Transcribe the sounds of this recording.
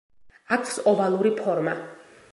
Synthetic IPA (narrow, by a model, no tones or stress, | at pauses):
akʰsɔvalˠuɾipʰɔɾma